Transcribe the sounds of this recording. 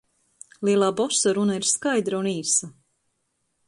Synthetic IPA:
lˠiɛlˠaːbɔsaɾunaiɾskajd̪ɾauniːsa

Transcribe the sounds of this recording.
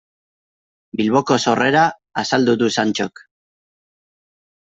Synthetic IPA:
bilβo̞ko̞so̞re̞ɾaː | sald̪uðusant͡ʃo̞k

